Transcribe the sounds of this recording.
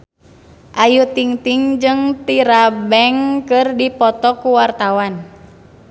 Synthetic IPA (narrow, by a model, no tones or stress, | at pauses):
ʔajut̪iŋt̪iŋd͡ʒɨŋt̪iɾabɛŋkɨrdipɔt̪ɔkuwart̪awan